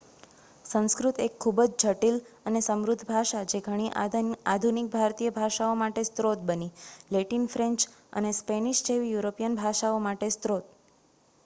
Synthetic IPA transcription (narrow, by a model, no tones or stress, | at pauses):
sə̃w̃skɾut̪ekʰːubəd͡ʒd͡ʒʱəʈilənesəmɾʊd̪ʱːbʱaʃad͡ʒeɡʱəɽ̃iʔad̪ʱunik̚bʱaɾt̪ijəbʱaʃaomaʈest̪ɾot̪̚bənileʈinfɾẽɲt͡ʃə̰nespeniʃd͡ʒeʋijuɾopijənbʱaʃaomaʈest̪ɾot̪̚